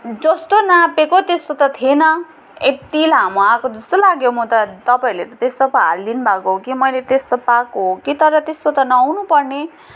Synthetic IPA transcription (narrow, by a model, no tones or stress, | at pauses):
d͡zʌst̪onãpekot̪est̪ot̪ʌt̪ʰienʌ | et̪ilɦamoakod͡zʌst̪olaɡjomut̪ʌt̪ʌpaĩlet̪ʌt̪est̪opaallinbʱakoɦokimʌjlet̪est̪opakoɦokit̪ʌɾʌt̪est̪ot̪ʌnʌwnupʌrne